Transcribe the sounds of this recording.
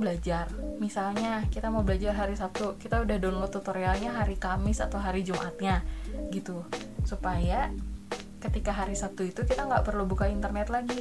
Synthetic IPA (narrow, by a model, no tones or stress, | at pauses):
bəlad͡ʒarmisalɲakit̪amawbəlad͡ʒarɦaɾisap̚t̪ukit̪audahdɔnlɔt̪ːut̪oɾialɲaɦaɾikamɪsa̰t̪awɦaɾid͡ʒumʔat̪̚ɲaɡit̪u | supaja | kət̪ikaɦaɾisap̚t̪uit̪ukit̪aŋɡaʔpərlubukaint̪ərnɛt̪laɡi